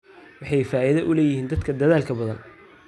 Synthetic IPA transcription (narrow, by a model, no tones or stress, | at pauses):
wɑħɑjfaːʔiðɐʔʊlɛːjɪhiːnd̪ɐd̪kʰɐd̪ɐðaːlkʰɐbɐðɐ̰n